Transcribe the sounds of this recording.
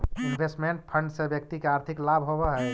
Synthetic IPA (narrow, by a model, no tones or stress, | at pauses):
inbʱesʈmeɳʈ̚pʰəɳɖsẽbjəkt̪ikeaɾt̪ʰiklabʱɦobaɦɛ